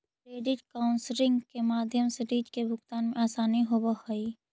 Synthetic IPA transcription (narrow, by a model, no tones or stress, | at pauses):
kɾeːɖɪʈkaːʊnsɾɪ̃ŋɡkemaːd̪ʱjəmseɾiːd͡ʒkebʱʊkt̪aːnmẽaːsaːniɦobəoiː